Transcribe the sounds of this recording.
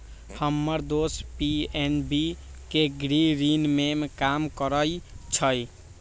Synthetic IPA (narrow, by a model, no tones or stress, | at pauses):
həmːəɾd̪ospienbi | keɡɾiɾinmemekamkəɾəjt͡ʃʰəj